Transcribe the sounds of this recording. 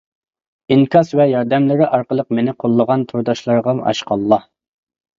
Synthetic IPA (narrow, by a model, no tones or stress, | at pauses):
iŋkʰɑsvɛjɑɾd̪ɛmlɪɾɪʔɑɾqəlˠəq̚menɪqʰolˠːəʁɑnt̪ʰoɾd̪ɑʃlˠɑɾʁɑmɑ̰ʃqɑlˠːɑ